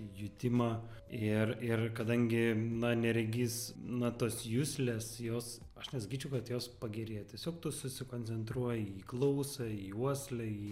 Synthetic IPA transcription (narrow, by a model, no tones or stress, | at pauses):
jʊt̪ʲɪmɑ | ɪrɪrkɐd̪ɐŋʲɡʲɪnɐnʲɛɾʲɛɡʲiːsnɐt̪oːsjʊsʲlʲesjoːs | ɐʃnʲɛsɐkʲiːt͡ʃʲɛʊkɐt̪joːspɐɡʲɛɾʲeːjot̪ʲiɛsʲoːk̚t̪uːsʊsʲɪkoːnʲt͡sʲɛnt̪ɾuɔjɛiːklˠɐʊsɐiːuɔsʲlʲɛiː